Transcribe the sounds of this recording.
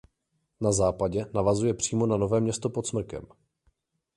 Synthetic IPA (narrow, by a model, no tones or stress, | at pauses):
nazaːpaɟɛnavazujɛpr̝̥iːmo̞nano̞vɛːmɲɛst̪o̞po̞t̪smr̩kɛ̰m